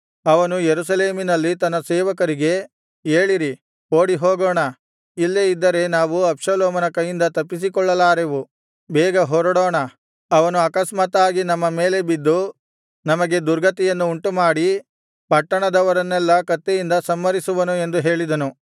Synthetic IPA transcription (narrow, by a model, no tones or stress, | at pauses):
ɐʋɐnujeɾusɐleːminɐlːit̪ɐnːɐsɛːʋɐkɐɾiɡe̞ | eːɭiɾi | oːɽiɦoːɡoːɳɐ | ilːeid̪ːɐɾe̞naːʋuɐpʂɐlɔːmɐnɐkɐjːind̪ɐt̪ɐpːis̬ikɔɭːɐlaːɾeʋu | bɛːɡɐɦɔɾɐɽɔːɳɐ | ɐʋɐnuɐkɐsmaːt̪aːɡinɐmːɐmeːle̞bid̪ːu | nɐmɐɡe̞d̪uɾɡɐt̪ɛjɐnːuːɳʈumaːɽi | pɐʈːɐɳɐd̪ɐʋɐɾɐnːɛlːɐkɐt̪ːejind̪ɐsɐmːɐɾisuʋɐnue̞nd̪uɦe̞ːɭid̪ɐnu